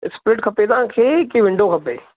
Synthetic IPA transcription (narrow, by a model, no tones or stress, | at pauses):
ɪsplɪʈkʰɐpeːd̪ãːkʰeːkiʋɪ̃ɳɖokʰɐpḛː